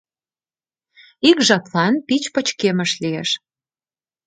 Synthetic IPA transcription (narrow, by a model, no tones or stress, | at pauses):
ikʒɑt̪lɑnpit͡ɕpə̆t͡ɕkemə̆ʃliḛʃ